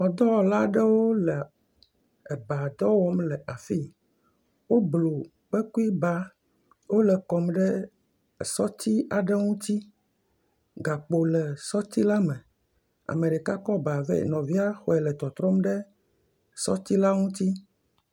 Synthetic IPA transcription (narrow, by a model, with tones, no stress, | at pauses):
ɔ˨d̪ɔ˦wɔ˨la˦ɖɛ˦wo˦lɛ˨ | e˨ba˨d̪ɔ˦wɔ˦mlɛ˨ʔa˨fi˦ | wo˦blo˨ | k͡pe˦ku˦i˦ba˦ | wo˦lɛ˨kɔ˨mɖɛ˦˨ | sɔ˦t̪i˦a˨ɖɛ˦ŋũ˦t̪i˦ | ɡa˨k͡po˨lɛ˨sɔ˦t̪i˦la˦mẽ˨ | a̰˨mẽ˨ɖe˨ka˦kɔ˦ba˨vɛ̰˦nɔ̃˨vi˦a˦xɔ˨ɛ˨lɛ˨t̪ɔ˨t̪ɾɔ˦mɖɛ˦ | sɔ̰˦t̪i˦la˦ŋũ˦t̪i˦